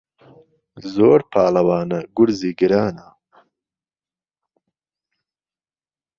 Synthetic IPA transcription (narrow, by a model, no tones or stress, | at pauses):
zoːɾpʰaːlɐwaːnɐɡʊɾziːɡɨɾaːnɐ